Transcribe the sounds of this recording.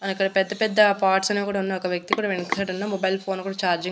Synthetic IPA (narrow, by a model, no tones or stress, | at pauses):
ɐnikːɐɽɐpɛd̪ːɐpɛd̪ːɐpaːɾʈsɐneːkuːɽaunːaːɔkɐʋjɐk̚t̪ikuːɽaːʋenɐkɐːʈunːaːmɔbɐjlpʰo̞ːnkuːɽaːt͡ʃaːɾd͡ʒi